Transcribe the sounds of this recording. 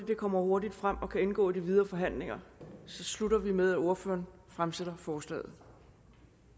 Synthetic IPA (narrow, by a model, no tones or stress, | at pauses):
id̥e̝kʰɒ̽m̰ɐho̝ɐdid̥fʁam̰ɒ̽kʰæe̝nɡ̥ɔ̰ːidiʋið̞ˠɐfɒ̽ɦæn̰le̝ŋɐsɒ̽sluɾɐʋimeð̞ˠæo̝ɐfø̰ːɐn | fʁamseɾ̥ɐfɒːslɛ̰ːð̩ˠ